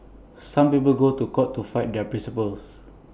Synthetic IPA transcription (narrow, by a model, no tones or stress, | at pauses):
sãmpip̬əlɡotukɔtːufaɪt̚dɛpɹĩnsipəls